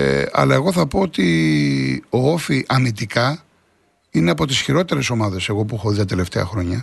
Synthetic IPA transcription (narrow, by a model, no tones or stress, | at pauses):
ɐ̰lɐe̞ɣo̞θɐpo̞ot̪i | o̞ofiʔɐmit̪ikɐ | ineɐpo̞t̪isçiɾo̞t̪e̞ɾe̞so̞mɐðe̞se̞ɣo̞puxoðit̪ɐt̪e̞le̞ft̪e̞ɐxɾo̞ɲɐ